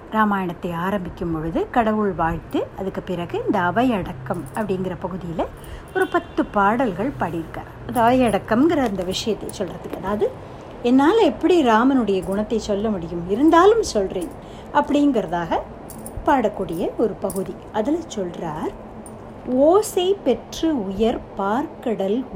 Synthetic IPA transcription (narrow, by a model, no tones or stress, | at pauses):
ɾaːmaːjɐɳɐt̪ːɐɪaːɾɐmbɪkʲːɯmpɔɻɯðɯkɐɽɐʋɯɭʋaːɻt̪ːɯɐðɯkːɯpɪɾɐɣɯɪnd̪ɐɐʋɐjɐɽɐkːɐmɐpːɐɽɪŋɡɪrɐpɐɣɯðɪjɪlɐ | ɔɾɯpɐt̪ːɯpaːɽɐlɣɐɭpɐːɽɪɾɯkːa̰ːɾɐnðɐʋɐjɐɽɐkːɐmŋɡɪɾɐɪnd̪ɐʋɪʂɐjɐt̪ːɐɪsɔlrɐðɯkːɐðaːʋɐðɯ | ɛnːaːlɛpːɐɽiɾaːmɐnɯɽɐjɐɡʊɳɐt̪ːɐɪsɔlːɐmʊɽɪjɯmɪɾɯnd̪aːlɯmsɔlreːn | ʔɐpːɐɽɪŋɡɪɾɐðaːɣɐ | paːɽɐkːuːɽɪjɐɔɾɯpɐɣɯði | ɐðɪlɐsɔlraːɾ | oːseɪpɛʈrɯʊjɐɾpaːɾkɐɽɐl